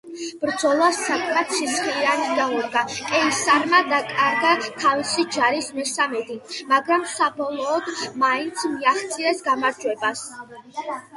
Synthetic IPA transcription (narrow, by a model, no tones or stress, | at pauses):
b̥ɾd̪zɔlˠasːakʰʼmat̪sisχiɾanid̪auɾɡakʼɛisaɾmad̪akʼaɾɡat̪ʰavisid͡ʒaɾismɛsamɛd̪imaɡɾamsabɔlˠɔːd̪maint̪sʰmiaχt̪sʰʼiɾɛsɡamaɾd͡ʒwɛbas